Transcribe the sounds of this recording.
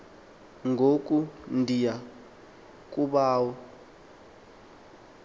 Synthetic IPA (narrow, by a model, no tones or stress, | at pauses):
ŋɡʱokʼundʱija | k̬ʼuɓaːwɔ